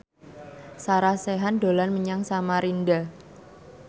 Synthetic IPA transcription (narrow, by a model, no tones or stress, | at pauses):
saɾaseɦandolanməɲaŋsamaɾinda